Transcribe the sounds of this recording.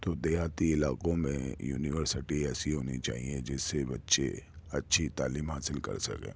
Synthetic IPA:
t̪oːd̪eːjaːt̪iɪlaːkõmẽjṵːnɪʋəɾsɪʈiɛːsiɦoːnit͡ʃa̰ːɦied͡ʒɛːsːebɐtːʃḛɐtːʃʰit̪aːliːmɦaːsɪlkɐ̰ɾsɐ̰kḛ̃ː

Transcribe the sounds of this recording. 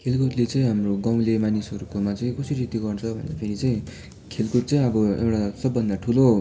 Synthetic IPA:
kʰelkuʈlet͡saĩɦamroɡaw̃lemanisʌɾukomat͡saĩkʌsiɾit̪iɡʌrt͡sʰʌbʱʌ̰nd̪apʰeɾit͡saĩ | kʰelkuʈ̚t͡saĩʌbʌḛwʈasʌbːʌnd̪aʈʰulo

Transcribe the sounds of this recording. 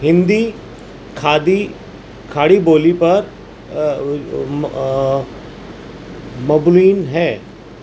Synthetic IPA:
ɦɪ̃nd̪i | kʰaːd̪i | kʰaːɽiboːlipɐɾ | mɐbliːnɦɛː

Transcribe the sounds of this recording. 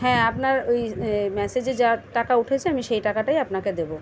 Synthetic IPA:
ɦɛ̃ːapnaɾojmɛsed͡ʑed͡ʑaʈakauʈʰet͡ɕʰeamiʃejʈakaʈajapnaked̪ebo

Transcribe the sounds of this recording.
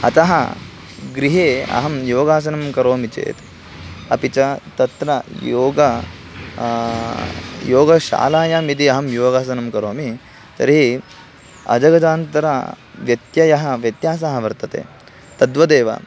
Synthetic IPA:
ɐ̰t̪ɐɦɐ̰ | ɡɾiɦeːɐ̰ɦɐmjoːɡaːs̬ɐnɐmkɐɾoːmit͡ʃḛːt̪ | ɐpit͡ʃɐt̪ɐt̪ɾɐjoːɡɐ | joːɡɐʃa̰ːlaːjaːmid̪iɐɦɐmjoːɡaːsɐnɐmkɐɾoːmi | t̪ɐ̰ɾiɦi | ɐ̰d͡ʒɐɡɐd͡ʒaːnt̪ɐɾɐ̰ | ʋjɐt̪jɐjɐɦɐʋjɐt̪jaːs̬ɐɦɐʋɐɾt̪ɐt̪ḛː | t̪ɐd̪ʋɐd̪eːʋɐ̰

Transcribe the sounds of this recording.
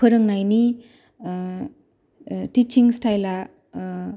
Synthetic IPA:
əɾɯŋnajni | tit͡ʃiŋstajla

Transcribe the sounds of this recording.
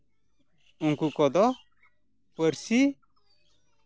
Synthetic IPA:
uŋkukɔd̪ɔ | pəɾsi

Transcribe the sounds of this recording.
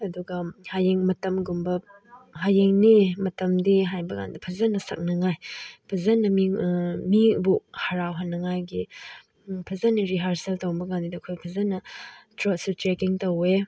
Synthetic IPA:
ɐduɡɐhajeŋmɐtɐmɡumbɐ | ɦajeŋnimɐtɐmdiɦajbɐɡa̰ndɐpʰɐzɐnɐsɐk̚nɐŋajpʰɐzɐnɐmiŋmibuhɐɾawɦanːɐŋajɡi | pʰɐzɐnɐɾiɦaɾsɐltowbɐɡandidɐkʰojpʰɐzɐnɐtɾɔtsutɾekiŋtɐwe

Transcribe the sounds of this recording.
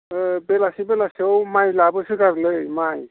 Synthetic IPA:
belasibɛlasiɔwmajlabɯsikaɾlɯjmaj

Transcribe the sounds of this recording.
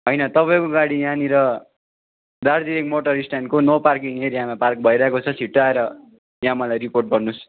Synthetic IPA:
ɦʌjnʌt̪ʌpajkoɡaɽijãniɾʌ | d̪ard̪iɾek̚moʈʌɾisʈankonʌparkiŋeɾijamapark̚bʱʌiɾʌɦekot͡sʰʌsiʈːaeɾʌ | jãmʌlajɾiporʈ̚bʌrnus

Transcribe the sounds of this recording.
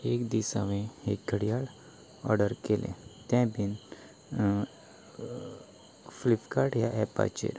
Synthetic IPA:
ekd̪isaʋẽek̚ɡʱəɽijaɭ | ɔ̰ɾɖəɾkelʔḛ̃t̪ɛ̃bin | flipkaɾʈjaʔɛpa̰t͡ʃḛɾ

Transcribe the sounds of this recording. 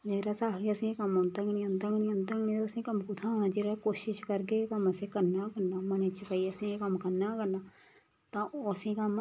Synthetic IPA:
d͡ʒeːɾasaːkeəsĩekəmɦõːnt̪aːkɪnĩə̃nd̪aːkɪñːə̃nd̪aːknĩt̪oəsĩkəmkʊt̪ʰãːd͡ʒeːɾakoːʃɪʃkəɾkekəməsekəɾnaːkəɾnaːmənet͡ʃkəiəsĩekəmkəɾnaːkəɾnaː | t̪ãːoəsĩkəm

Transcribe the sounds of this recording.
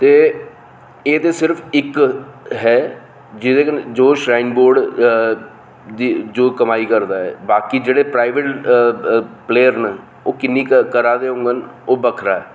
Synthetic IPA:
t̪eː | eːt̪eːsɪɾfʰɪkɦɛː | d͡ʒɪd̪eːd͡ʒoːʃɾaːɪnboːɾɖ | d̪id͡ʒoːkəmaːiːkəɾd̪aːɦɛ̰ːbaːkiːd͡ʒeːɽeːpɾaːiʋeʈ | pleːəɾnə | oːkɪnːiːkəɾaːd̪eːɦʊ̃ːŋɡənoːbəkʰɾaːɛː

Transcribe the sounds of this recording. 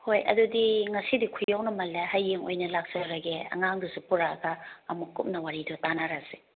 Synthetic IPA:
hojɐ̰dudiŋɐsidikʰujawnɐmɐlːehajːeŋo̰jnɐlak̚sɐɾɐɡeɐ̰ŋaŋdusupuɾaɡɐːmukːup̚nɐwaɾidɐtanaɾazi̥

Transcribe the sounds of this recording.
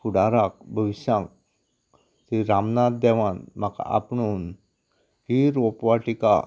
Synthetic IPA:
kuɽaɾak̚bʱəʋiɕjãŋk̚ | siɾamnat̪̚d̪ɛʋanmaka̰pɳun | ɦiɾopʋaʈika̰

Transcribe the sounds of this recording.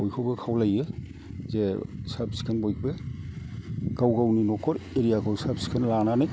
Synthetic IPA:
bɔjkʰɔwbɯkʰawlajɯ | zesabsi̥kʰanbojk̚bɯ | ɡ̥awɡawninɔkʰɔɾeɾijakʰɔwsabsi̥kʰanlananɯj

